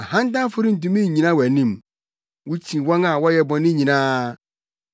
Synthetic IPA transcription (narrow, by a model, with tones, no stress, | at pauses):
a˨hã˦n˦dã˦fʊ˦ɾɪ˦n̩˨tũ˦mĩ˦ɲ̩˨ɲĩ˨nã˦wæ˨nĩ˦˨m | wʊ˦t͡ɕʰĩ˨wɔ̃˦na˨wɔ˦jɛ˨bɔ̃˨nɪ̃˦ɲĩ˨nãː˦